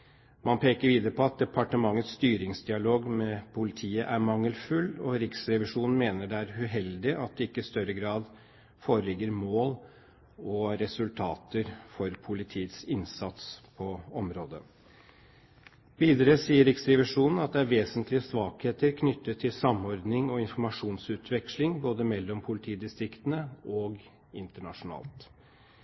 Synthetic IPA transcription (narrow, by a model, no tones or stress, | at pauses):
mɑnpʰeːkəɾʋiːd̪əɾəpʰɔɑt̪̚d̪ɛpʰɑʈəmɑŋːət̪sst̪yːɾɪŋsd̪ɪɑloːɡmɛpʰʊlɪt̪ʰiːəʔæɾmɑŋːəlfʉlɔɾɪksɾɛʋɪʂuːnn̩meːnəɖɛæɾʉɦɛld̪ɪʔɑt̪̚d̪ɛɪkːəɪst̪œɾəɡɾɑːd̪ | foːɾəlɪɡːəɾmoːl | ɔɾɛsʉlt̪ʰɑːt̪əɾfɔɾpʰʊlɪt̪ʰiːət̪sɪnsɑt̪spʰɔɔmɾoːd̪ə | b̥iːd̪ɾəsiːəɾɪkst̪ɾɪʋɪʂuːnn̩ɑt̪̚d̪ɛæɾʋeːsənt̪ʰlɪəsʋɑːkheːt̪əɾkʰnʏt̪ːət̪ʰːɪlsɑmɔɾd̪nɪŋɔɪnfɔɾmɑʂuːnsʉːt̪ʰʋɛkʂlɪŋboːd̪əmɛlːɔmpʰʊlɪt̪ʰiːd̪ɪst̪ɾɪkt̪ənəɔɡ | ɪnt̪əɳɑʂʊnɑ̰ːlt̪